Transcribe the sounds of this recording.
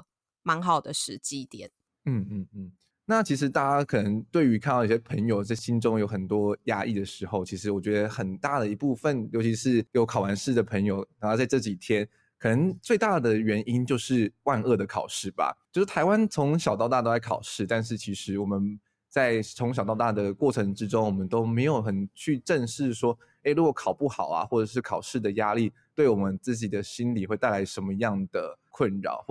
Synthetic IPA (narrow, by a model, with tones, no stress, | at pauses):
mɑ˧˥ŋxɑ˨˩ʊd̪ə˩ʂɻ̩˧˥t͡ɕi˥t̪jɛ˨˩˦n | n̩˥˩n̩˥˩n̩˥˩ | na˥˩t͡ɕʰi˧˥ʂ̬ɻ̩˧˥t̪a˥˧˩t͡ɕa˥kʰɤ˨˩nə˧˦ŋt̪we˥˩ɪy˧˥kʰa˥˩nt̪ɑ˥˧ʊi˥˩ɕjɛ˥pʰə˧˥ŋjo˨˧ʊt͡sa˥˩ɪɕi˦nʈ͡ʂʊ˥ŋjo˧˥ʊxə˨˩nt̪wɔ˥ja˥ʔi˥˩d̪ə˩ʂɻ̩˧˥xo˥˩ʊt͡ɕʰi˧˥ʂ̬ɻ̩˧˥wɔ˨˩t͡ɕɥɛ˧˥d̪ə˧xə˨˩nt̪a˥˩d̪ə˩i˧˥pu˥˧fə˥˨njo˧˥ʊt͡ɕʰi˧˥ʂɻ̩˥˩jo˧˥ʊkʰɑ˨˩ʊwa˧˦˥nʂɻ̩˥˩d̪ə˩pʰə˧˥ŋjo˥˧˩ʊ˨˩˥ɑ˥˧t͡sa˥˧ɪʈ͡ʂɤ˥˩t͡ɕi˨˩t̪ʰjɛ˥n | kʰɤ˨˩nə˧˦ŋt͡swe˥˧ɪt̪a˥˩d̪ə˩ɥɛ˧˥ni˥nt͡ɕjo˥˧ʊʂɻ̩˥˩wa˥˧nɤ˥˩d̪ə˩kʰɑ˨˩ʊʂɻ̩˥˩ba̰˩t͡ɕjo˥˧ʂ̩˥˩t̪ʰa˧˥ɪwa˥˦nt͡sʰo˧˥ŋɕjɑ˨˩ʊt̪ɑ˥˧ʊt̪a˥t̪o˥˧la˧˥ɪkʰɑ˨˩ʊʂɻ̩˥˧t̪a˥˧nʂ̬ɻ̩˥˩t͡ɕʰi˧˥ʂɻ̩˧˥wɔ˨˩mə˦n | t͡sa˥˩ɪt͡sʰʊ˧˥ŋɕ̬jɑ˨˩ʊt̪ɑ˥˧ʊt̪a˥˩d̪ə˩kwɔ˥˩ʈ͡ʂʰɤ˧˥ŋʈ͡ʂɻ̩˥ʈ͡ʂo˥ŋwɔ˨˩mə˨˦nt̪o˥ʊme˧˥ɪjo˨˩ʊxə˨˩nt͡ɕʰy˥˧ʈ͡ʂə˥˧nʂɻ̩˥˩ʂwɔ˥ | e˥˩ɪɻu˧˥kwɔ˨˩kʰɑ˨˩ʊpu˥˩xɑ˨˩ʊɐ̰˨xwɔ˥˩ʈ͡ʂɤ˨˩ʂ̬ɻ̩˥˩kʰɑ˨˩ʊʂɻ̩˥˩d̪ə˩ja˥li˥˩t̪we˥˩ɪwɔ˨˩mə˦nt͡sɹ̩˥˩t͡ɕi˨˩d̪ə˩ɕi˥nli˨˩xwe˥˧ɪt̪a˥˩ɪa˧˥ɪʂə˧˥mə˧jɑ˥˩ŋd̪ə˩kʰwə˥˩nɻɑ̰˨˩˦ʊx